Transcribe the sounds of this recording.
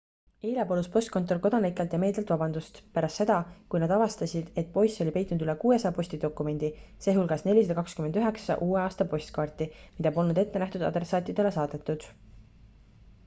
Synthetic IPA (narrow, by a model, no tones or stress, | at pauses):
eːlʲɑpoluspo̞sʲt̪ko̞nt̪ːˑo̞lko̞d̪ɑnikːˑelt̪jɑme̞ːld̪elt̪vɑbɑnd̪ust̪pæɾɑst̪ːe̞d̪̥ɑkujnɑd̪̥ɑvɑst̪ɑsʲid̪̥e̞t̪̚po̞jsːo̞lʲipe̞jt̪ˑnd̪yle̞kuːesɑjpo̞sʲt̪id̪o̞kːˑume̞nʲd̪̥ise̞ːɦulɡ̥ɑsne̞lʲised̪ɑkɑkskymenyɦe̞ksɑ̰ʔuːe̞ɑːst̪ɑpo̞sʲt̪kɑːrt̪imid̪ɑpo̞lnud̪e̞t̪ːe̞næht̪ud̪ɑ̰d̪resːɑːt̪ˑid̪̥e̞le̞sɑːd̪̥e̞t̪ːˑud̪̥